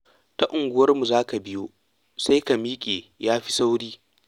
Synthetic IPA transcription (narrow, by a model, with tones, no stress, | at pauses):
ta˦ʔʊ˨ŋɡʷʊ˦wɐ˦rmu˨zaː˦ka˨bɪ˦joː˦ | sa˦jka˨miː˦kʲʼeː˨jaː˦ɸi̥˦sa˦wɽiː˦